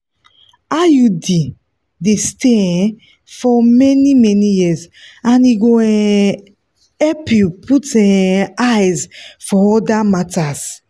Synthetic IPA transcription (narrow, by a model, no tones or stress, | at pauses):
ajudi | desteɛ̃ | fɔmɛnimɛnijizãniɡoɛ̃ | ɛpjuputɛ̃ajzfɔɔdamataz